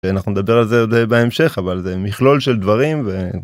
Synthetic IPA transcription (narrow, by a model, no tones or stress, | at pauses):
anaχnuned̪abe̞ʁalzeod̪ebaemʃe̞χavalzemiχlo̞lʃeld̪vaʁimve